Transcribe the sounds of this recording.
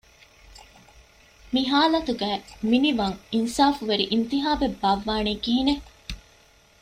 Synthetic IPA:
miɦaːlɐt̪uɡæːminiʋɐŋinsaːfuʋeɾiʔint̪iɦaːʋebːɐʋːaːniːɡiɦine

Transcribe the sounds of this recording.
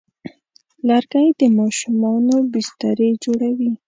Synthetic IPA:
laɾɡajd̪əmɑʃumɑnobɪst̪aɾed͡ʒoɽawi

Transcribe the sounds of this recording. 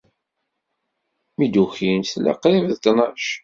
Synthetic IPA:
mid̪uçinθlæ̰qɾivðt̪nɑʃ

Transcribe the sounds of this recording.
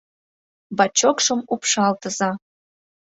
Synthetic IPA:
bɑt͡ɕokʃɤ̆mupʃɑlt̪ə̆zɑ

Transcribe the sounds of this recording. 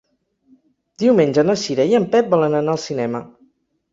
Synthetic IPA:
d̪iwmenʲd͡ʒənəsiɾəiəmpɛp̚bɔlənənaəlˠsinɛmə

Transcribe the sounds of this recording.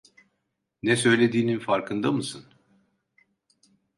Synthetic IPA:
nɛsø̞jlʲe̞d̪iːninfaɾkʰɯnd̪amɯsɯn

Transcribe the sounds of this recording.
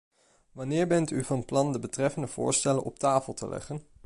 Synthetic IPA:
ʋɑnɪːɹbɛntyvɑnplɑndəbətrɛfəndəv̥ʊ̰ːɹstɛlənɔptaːfəlˠtʰə̰lɛ̰χən

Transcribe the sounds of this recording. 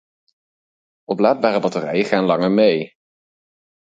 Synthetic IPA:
ɔplaːd̚baːrəbɑtərɛ̰jəχaːnlɑŋəɹmej

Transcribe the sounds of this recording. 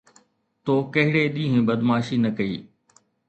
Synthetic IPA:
t̪oːkɐɦɪɽeɗĩːɦẽbɐd̪maːʃinɐkɐḭː

